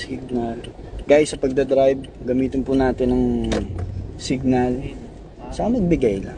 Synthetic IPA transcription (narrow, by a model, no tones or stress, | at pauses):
sɪɡ̚nɐl | ɡ̥aːjsɐpɐɡ̚d̪ɐd̪ɾajb̚ɡɐmiːt̪ɪnpunaːt̪ɪnɐŋ | sɪɡ̚nɐl | sɐmɐɡ̚bɪɡajlɐ̰ŋ